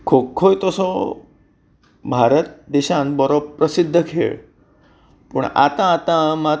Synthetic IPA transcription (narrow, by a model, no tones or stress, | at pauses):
kʰokʰːojt̪ɔsɔ | bʱaɾət̪̚d̪eɕãnbɔɾob̚pɾəsid̪ʱːəkʰḛ | puɳa̰t̪ãːt̪ãma